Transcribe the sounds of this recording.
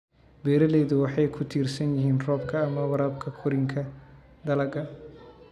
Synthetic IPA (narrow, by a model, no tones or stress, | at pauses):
bɛːɾɐlɛːðʊwɑħɑjkʰʊt̪ʰiːrsɐnjɪɦiːnrɔːb̚kʰɐːmɐwɑɾaːb̚kʰɐkʰʊɾɪŋkʰɐ | d̪ɐlɐɡɐ